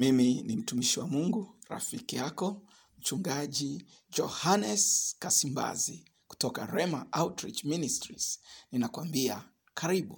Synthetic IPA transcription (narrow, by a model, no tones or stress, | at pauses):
miminim̩tumiʃiwamuŋɡuɾa̰fikijakɔ | m̩t͡ʃuŋɡaʄi | d͡ʒɔhanɛskasimba̰zi | ku̥tɔka̰ɾɛmaʔawtɾit͡ʃministɾḭz̥ninakwambia | kʰaɾiɓu